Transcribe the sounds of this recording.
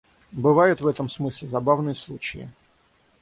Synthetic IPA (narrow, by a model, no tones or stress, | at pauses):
bɨvajʊt̪vɛt̪əmsmɨsʲlʲɪzɐbavnɨjəslˠut͡ɕɪɪ̰